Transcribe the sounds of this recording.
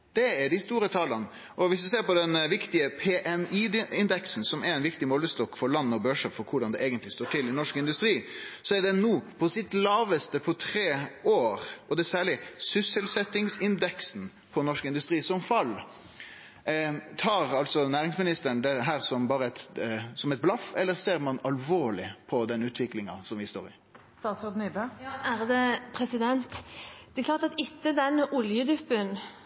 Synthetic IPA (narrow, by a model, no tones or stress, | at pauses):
d̪̥ɛæɖɪst̪uːɾət̪ʰɑːlən | ʔɔʋɪsd̪ɪseːɾpɔd̪ɛnʋɪkt̪ɪəpʰeːʔɛniːɪnd̪ɛksn̩sɔmæɾɪnʋɪkt̪ɪmɔlːəst̪ɔkːfɔɾɭɑnːɔbøʂəpfɔɾkʰʊɖɑnd̪ɛeːɡənt̪lɪst̪oːʈʰɪlɪnɔʂkɪnd̪ʉst̪ɾiːsɔæɖɛnuːpʰɔsɪt̪lɑːʋəst̪əpʰɔt̪ʰɾeːoːɾɔd̪ɛsæːɭɪsʏsəlsɛt̪ɪŋsɪnd̪ɛksn̩ | pʰɔnɔʂkəɪnd̪ʉst̪ʁiːsɔmfɑlː | t̪ʰɑːʁɑlt̪sɔnæːʁɪŋsmɪnɪst̪ənd̪ɛɦæːʁsɔmbɑːʁəɛt̪sɔmɛt̪̚blɑfɛlːəʁseːʁmɑnɑlʋoːɭɪpʰɔd̪ɛnʉːt̪ʰʋɪklɪŋɑsɔmʋɪst̪o̰ːɾɪ̰ | st̪ɑːt̪sod̪nyːbøjɑæɾd̪ɛpʰɾɛsɪd̪ɛnt̪d̪̥ɛklɑːʁt̪ɑt̪ɪt̪ːəd̪ɛnʊljəd̪ʉpːən